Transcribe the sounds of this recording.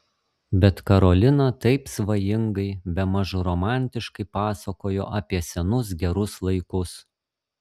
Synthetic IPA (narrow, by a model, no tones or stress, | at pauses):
bʲɛt̪kɐɾoːlʲɪnɐt̪ɐɪpsʋɐjɪŋɡɐɪbʲɛmɐʒʊɾɔmɑˑnʲt̪ʲɪʃkɐɪpɑːsɐkoːjo̰ːʔɐpʲiɛsʲɛnʊs̬ɡʲɛɾʊslˠɐɪkʊs